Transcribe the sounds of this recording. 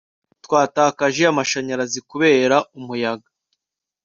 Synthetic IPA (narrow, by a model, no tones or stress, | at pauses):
twaːtaːkaʒe̞amaʃaɲaɾazikuβe̞ːɾaumujaɡḁ